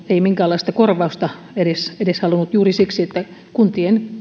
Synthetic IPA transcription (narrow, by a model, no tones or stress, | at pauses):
eimiŋkæːlːˑɑist̪ɑkorʋɑust̪ɑ | edesedeshɑlunut̪juːrisiksiet̪ːæ | kunt̪ien